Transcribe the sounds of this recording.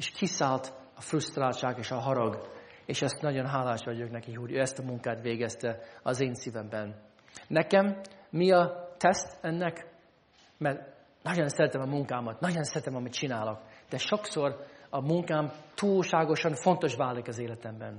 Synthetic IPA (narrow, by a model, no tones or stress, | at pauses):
eːʃkʰisaːlt̪ | ɒfrust̪raːlʃaːkeːʃɒɦɒɾɒɡ | eːʃɛst̪nɒɟo̞nɦaːlaːʃʋɒɟoknɛkiɦo̞ɟøːɛst̪ɒmuŋkaːt̪ʋeːɡɛst̪ɛɒzeːnsivɛmbɛnː | ɛkɛmːiɒt̪ɛst̪ɛnːɛk | mɛrt̪ | nɒɟonsɛɾɛt̪ɛmɒmuŋkaːmɒt̪nɒɟonsɛɾɛt̪ɛmɒmit̪t͡ʃinaːlo̞kd̪̥ɛʃo̞kso̞rɒmuŋkaːmt̪uːlʃaːɡo̞ʃɒnfo̞nt̪o̞ʃvaːlikɒzeːlɛt̪ɛmbɛn